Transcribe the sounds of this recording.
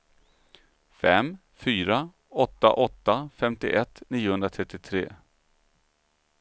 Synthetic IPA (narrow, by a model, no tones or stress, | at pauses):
fɛm | fyːɾa | ɔt̪ːa̰ʔɔt̪ːafɛmt̪ɪʔɛt̪ːniːʊhɵnd̪ɾat̪ʰɾɛt̪ːɪt̪ʰɾḛː